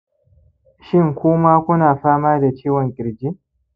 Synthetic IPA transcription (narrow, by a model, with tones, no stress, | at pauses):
ʃɪ˦ŋkʷʊː˦maː˦kʷʊ˦naː˨ɸaː˦maː˦da˨t͡ʃeː˦wɔ˨ŋkʲʼɪ˨ɾd͡ʒi˦